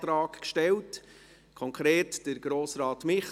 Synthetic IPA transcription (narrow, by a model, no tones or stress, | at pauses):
tɾɑːkkʃtɛlt | kʰɔŋkʰɾeːtd̥əɾɡɾoːsɾɑːtmɪχ